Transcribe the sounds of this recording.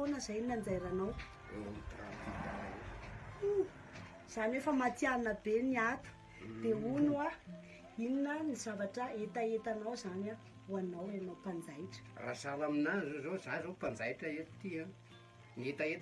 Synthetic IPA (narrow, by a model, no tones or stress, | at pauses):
nəzajininand͡zajɾanaw̰ | it̪ɾa̰t̪it̪a̰a̰ | z̥anefəmat̪ialinəbeniat̪u̥ | d̪̥eunua | ininəniz̥avaʈ͡ʂəet̪aet̪anawzana | uanawenawpand͡zajʈ͡ʂə̥ra̰salaminanzozozazopand͡zajʈ͡ʂəet̪i̥t̪ia | niet̪aet̪